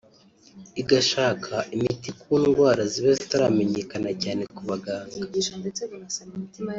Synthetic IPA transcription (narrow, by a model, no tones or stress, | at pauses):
iɡaʃaːkʰaʔimitikuːnɡwaːɾaziβezitaɾameɲe̞kanacaːne̞kuβaɡaːŋɡa